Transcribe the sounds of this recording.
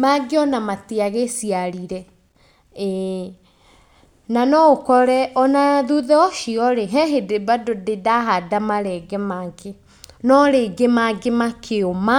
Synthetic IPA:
maɡeɔnamateaɣesiaɾiɾɛ | ɛ | nanɔokɔɾɛʔɔnaðuðɛɔʃiɔɾeɦɛɦedebadodedaɦadamaɾɛɡɛmaɡe | nɔɾeɡemaɡemakʰeoma

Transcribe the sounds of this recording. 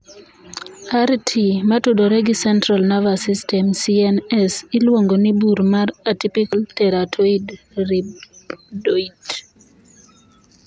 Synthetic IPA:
aɾtʰimatudoɾɛɡɪsɛntɾalnavasistɛmsiɛnɛsɪlwoŋɡonɪbuɾmaɾatipikaltɛɾatʰoid | ribdoit

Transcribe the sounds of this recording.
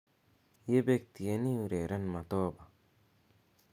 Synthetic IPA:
jebek̚t̪ijɐniuɾeɾɐnmɐt̪ɔːba

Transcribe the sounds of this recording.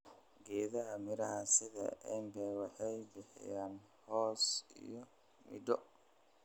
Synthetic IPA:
ɡɛːðɐɦɐmɪɾɐhɐsɪðɐ̰ʔɛːmbɛwɑħɑjbɪħɪ̰jaːn | hɔːsḭjɔ | mɪ̰d̪ɔ

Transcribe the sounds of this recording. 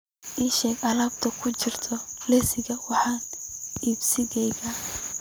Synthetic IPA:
ʔiʃɛːɡɐlab̚t̪ʰɐkʰʊt͡ʃɪrt̪ʰɔlɛsɪɣɐwɑħɑːniːbsɪɣɛjɣɐ

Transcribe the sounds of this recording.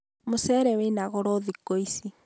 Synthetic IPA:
mosɛɾɛwenaɣɔɾɔðikoisi

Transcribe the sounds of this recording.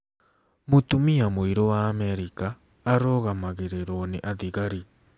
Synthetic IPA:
motumiamoiɾowaːmɛɾikaː | ɾoɣamaɣeɾeɾoneʔaðiɣaɾi

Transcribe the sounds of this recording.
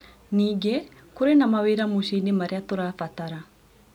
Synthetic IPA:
niɡe | kuɾenamawiɾamuʃinimaɾjat̪uɾafat̪aɾa

